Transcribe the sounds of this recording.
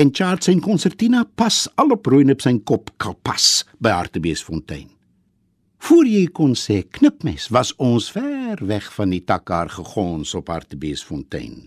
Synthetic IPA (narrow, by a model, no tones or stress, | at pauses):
ɛnt͡ʃaːrtsɛnkɔnsɛrtinɐpɐsɐlɔprujnɔpsɛjnkɔpkʰɐlˠpɐ̰sbəja̰rtəbiəsfɔntɛ̰jn | fuərjɛjkɔnsɛːknəpmɛsvɐsɔnsfɛrvɛχfɐnditɐkaːrχəχɔːnsɔpha̰rtəbiəsfɔntɛ̰jn